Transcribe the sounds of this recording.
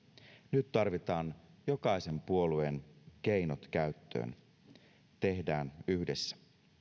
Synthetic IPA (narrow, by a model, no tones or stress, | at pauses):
nyt̪ːɑrʋit̪ɑːnjo̞kɑjse̞mpuo̞lue̞nk̟ejnot̪k̟æyt̪ːø̰ːn | t̪e̞hdæːnyhde̞sːæ̥